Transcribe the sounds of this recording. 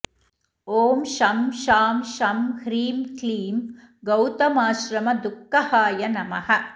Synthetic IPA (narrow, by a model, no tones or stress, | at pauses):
oːmʃɐmʃaːmʃɐmhɾiːmkliːm | ɡɐwt̪ɐmaːʃɾɐmɐd̪ukːɐhaːjɐnɐmɐhɐ̆